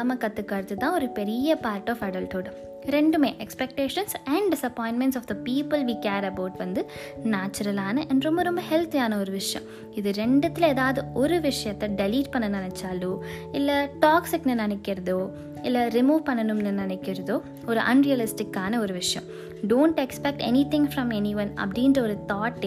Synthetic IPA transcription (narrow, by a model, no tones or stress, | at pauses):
mɐkɐt̪ːɯkːɐːɾɯt̪ːɯt̪ːãːɔɾɯpɛɾɪjɐpaːɾʈɔːfɐɽɐlʈoːɖ | ɾɛɳɖɯmeːʔɛkspɛk̚ʈeːʂɐnsɐɳɖɖɪsɐpɔːɪnʈmɛ̃ɳʈsɔːfd̪ɐpiːpɯlʋiːkaːɾɐbɐːʈʋɐnd̪ɯ | naːt͡ʃːɐɾɐlaːnɐʔɛnɖɾɔmbɐɾɔmbɐhɛlt̪ijaːnɐɔɾɯʋɪʂɐjɐ̰̃m | ɪðɯɾɛɳɖɐt̪ːɪleːðaːʋɐðɯɔɾɯʋɪʂɐjɐt̪ːɛɖɛliːʈ̚pɐɳːɐnɐnɐt͡ʃːaːluɪlːɐʈɔːksɪknɯnɪnɛkːɪɾɐðoː | ɪlːɐɾɪmuːʋpɐɳːɐnɯmnɯnɪnɛkːɪɾɐðoː | ɔɾɯʔɐ̰nɾijɐlɪsʈɪkːaːnɐɔɾɯʋɪʂɐjɐ̰̃mm | ɖõːɳʈɛkspɛk̚ʈɛ̰nit̪ɪ̃ŋfɾɐ̃mɛniʋɐ̃nɐ̰pɽiːndɾɐɔɾɯt̪ɔːʈːɪ